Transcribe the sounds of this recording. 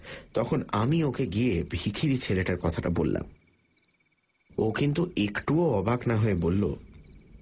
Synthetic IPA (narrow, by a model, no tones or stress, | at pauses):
t̪ɔkʰonamiokeɡiebʱikʰiɾit͡ɕʰeleʈaɾkɔt̪ʰaʈa̰bolːa̰m | okint̪uekʈuoɔbaknaɦoebolːo̰